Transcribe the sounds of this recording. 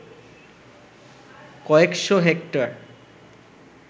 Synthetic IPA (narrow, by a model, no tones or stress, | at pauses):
kɔekʃoɦekʈaɾ